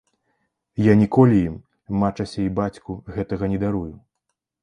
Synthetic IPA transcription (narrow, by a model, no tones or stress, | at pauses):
janʲikɔlʲijimː | at͡ʂɐsʲɐibat͡sʲkuɣɛt̪ɐɣɐnʲɛd̪aɾuju